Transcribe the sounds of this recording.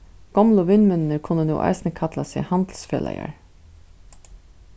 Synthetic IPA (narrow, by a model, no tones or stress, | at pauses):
ɡ̥ɔmlʊʋɪnmʏnnəkʰʊnːənṵːʔɑ̰ɪsnəkʰat̪lasehɑnd̪l̩sfḛːlɛ̰ja̰ɹ